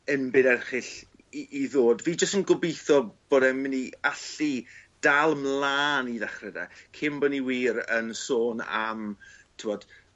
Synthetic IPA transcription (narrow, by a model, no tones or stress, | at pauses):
ənbɪnɛrχɪɬ | iʔːðoːdviːd͡ʒəstənɡʊbejθɔb̥oːdɛmɪniaɬid̥alˠmlˠaːniðaχrɛda̰kʰɪmbɔniwiːɾənsoːna̰mtʰɪwɔd̥